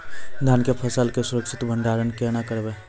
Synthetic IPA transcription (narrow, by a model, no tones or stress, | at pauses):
d̪ʱjankepʰəsəlkesuɾəkʃʰɪt̪bʱəɳɖaɾənkeñakəɾbe